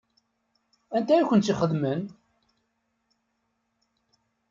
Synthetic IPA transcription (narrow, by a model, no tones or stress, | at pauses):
ænt̪æjæçʷənt̪siχəðmən